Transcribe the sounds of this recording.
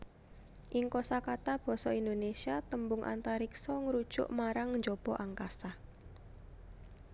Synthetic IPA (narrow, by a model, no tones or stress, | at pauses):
ʔiŋkosakat̪ab̥ɔ̤sɔind̪onesiat̪əmbʊŋʔa̰nt̪aɾiksɔŋəɾud̥ʒ̥ʊ̰ʔmaɾaŋɲd͡ʒob̥ɔ̤ʔaŋkasah